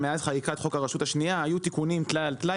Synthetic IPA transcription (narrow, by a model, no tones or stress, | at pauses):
meazχajikat̪χo̞kaʁaʃut̪aʃnijaajut̪ikunimt̪lalt̪la